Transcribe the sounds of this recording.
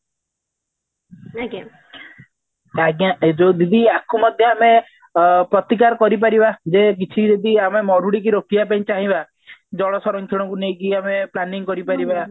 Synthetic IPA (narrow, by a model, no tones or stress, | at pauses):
ɡa | aɡjaed͡ʒod̪id̪iakʰumɔd̪ʱjɔame | pɾɔt̪ikaɾɔkɔɾip̬aɾibad͡ʒek̬it͡ʃʰid͡ʒ̪ed̪iamemɔɾuɽik̬iɾokiapaĩt͡ʃaɦĩba | d͡ʒɔɭɔsɔɾɔŋt̪ʰiɽ̃ɔŋkunejkiameplaniŋkɔɾipaɾiba